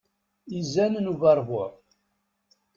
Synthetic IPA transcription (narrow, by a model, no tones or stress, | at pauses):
izænənuvɑɾˤvʊ